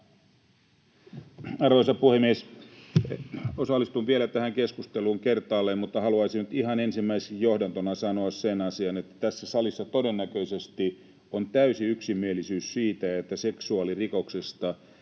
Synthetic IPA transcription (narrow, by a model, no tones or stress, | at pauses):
ɑrʋoisɑpuhemːies | osɑlːist̪uʋʋielæt̪æhæŋkeskust̪eluːŋkert̪ɑːlːemmut̪ːɑhɑluɑisinyt̪iɦɑnensimːæiseijjohdɑnt̪onɑsɑnoɑssenɑsiɑnet̪ːæ̥t̪æsːæsɑlisːɑt̪odenːækøisest̪i | ont̪æysiyksimːielisyːssiːt̪æet̪ːæseksuɑlirikoksest̪ɑ